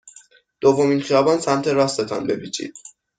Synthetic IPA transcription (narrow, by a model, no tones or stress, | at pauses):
d̪̥ovːo̞miːnχijɒːbɒnsæmt̪ʰe̞ɾɒːst̪e̞t̪ʰɒ̰nbe̞bit͡ʃʰḭd̪̥